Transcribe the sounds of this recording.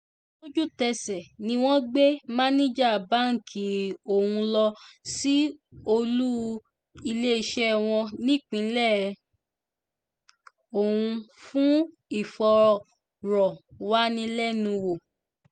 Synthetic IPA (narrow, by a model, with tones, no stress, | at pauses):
lo˦d͡ʒu˦tɛ˧sɛ˨nĩ˧˦w̃ɔ̃˦ɡ͡be˦mã˦nĩ˦d͡ʒa˦˨ba˨˦ŋ̩˨kʰi˨o˦˨hũ˧lɔ˧si˦o˧lu˦ | i˧le˦i˧ʃɛ˦˧˨w̃ɔ̃˧nĩ˦˨k͡pĩ˨˦lɛ˦˨˧ | o˦˨hũ˧fũ˦ | i˦˨fɔ˧ɾɔ˨ | ɾɔ˨wa˦nĩ˧lɛ˦nũ˧wo˨